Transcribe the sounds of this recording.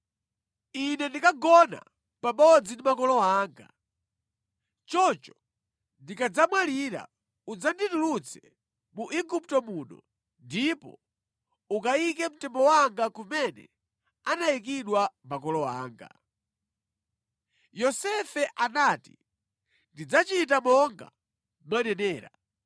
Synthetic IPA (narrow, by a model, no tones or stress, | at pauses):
inɛndikaɡɔna̰ | pamɔd͡zindimakɔlɔaːŋɡa | t͡ʃɔt͡ʃɔ | ndikad͡zamwaliɾa̰ | ud͡zanditulut͡sʰɛ | muʔiɡup̚tɔmuːnɔ̰ | ndipɔ̰ | ukaikɛm̩tɛmbɔwaŋɡakumɛnɛ̰ | anaik̬iɗwamakɔlɔa̰ːŋɡa̰ | jɔsɛfɛʔanaːti | ndid͡zat͡ʃitamɔŋɡa̰ | mwanɛnɛːɾa